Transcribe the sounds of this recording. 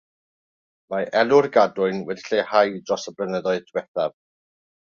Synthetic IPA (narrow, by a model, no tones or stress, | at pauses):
maʔɛlˠʊrɡadʊɨnwɛdi̥ɬehajdrɔsəblənəðɔɨðd̥ʰwɛθav